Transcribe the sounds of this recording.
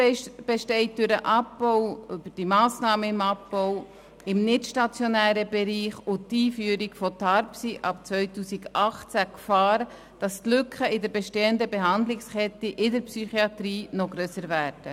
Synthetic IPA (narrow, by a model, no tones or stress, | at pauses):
b̥eʃtɛɪt̚dʏɾəʔɑpbɔwʏbəɾd̥imɑːsnɑːməɪmɑpbɔw | ɪmnɪtʃtɑt͡sjonæːɾəbɛɾiːχʊtːiːfyːɾiɡfɔtʰɑɾpsiʔɑp̚t͡sʋœʏtuːsiɡɑχt͡sækfɑːɾ | d̥ɑstlʏkʰχəɪdəɾbɛʃteːəndəbeɦɑndlɪkskɛt̪ːiʔɪdəɾpsyχiɑt̪ɾiːnɔɡɾøːsəɾvæːɾd̥ə